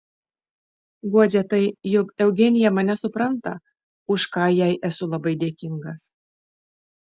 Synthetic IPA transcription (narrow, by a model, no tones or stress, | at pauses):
ɡuɔd͡ʒʲɛt̪ɐɪjʊkɛʊɡʲɛnʲɪjɛmɐnʲɛsʊpɾɐnt̪ɐ | ʊʃkɑːjæɪʔæsʊlˠɐbɐɪd̪ʲeːkʲɪŋɡɐs